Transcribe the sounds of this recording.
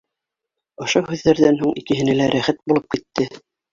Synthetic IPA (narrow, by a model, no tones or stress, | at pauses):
ŏʃohʉðːæɾðænɦuɴikɘ̆ɦɘ̆nælæɾʔæχæt̪̚bulˠɤp̚kit̪ːɘ